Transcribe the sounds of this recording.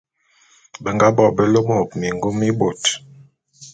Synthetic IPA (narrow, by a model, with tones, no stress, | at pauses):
bə˨ŋɡa˦bɔ˦˨bə˨lo˦mo˦˨pmi˨ŋɡo˦mi˦bo˨t